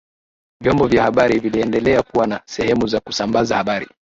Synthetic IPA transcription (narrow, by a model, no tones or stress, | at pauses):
vjɔmbɔvjahaɓaɾiviliɛndɛlɛakuwanasɛhɛmuzakusambazahaɓaɾḭ